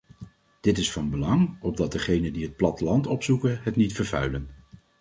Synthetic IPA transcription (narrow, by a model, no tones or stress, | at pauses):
d̥ɪtɪsfɑnbəlɑŋɔb̚dɑt̚dəχejnəndiɦət̚plɑtəlɑntɔpsukənɦətnitfəɹvœ̰ɥlən